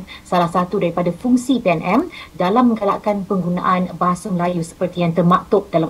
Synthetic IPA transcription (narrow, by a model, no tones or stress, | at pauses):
salahsat̪udaɾipadafuŋsipeɛnʔɛmdalamːə̃ŋɡalaʔkanpəŋɡuna̰ʔanbaɦasaməlajusə̥pərt̪ijaŋt̪ərmakt̪ʊp̚dala